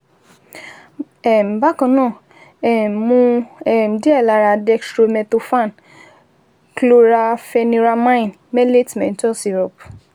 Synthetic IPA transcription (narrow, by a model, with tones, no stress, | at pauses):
ɛ˨m̩˨ba˦kã˧˦nɔ̃ː˦˨ | ɛ˨m˨mũ˦ɛ˨m̩˨di˦ɛ˦˨la˧ɾa˧˨dɛ˧sɾo˧mɛ̃˧to˧fã˦˨n | klo˦ɾa˧fɛ˧nĩ˧ɾa˧mã˦ĩ˨n | mɛ˦le˦tmɛ̃˨n̩˦tɔ̃˦si˨ɾɔ˨p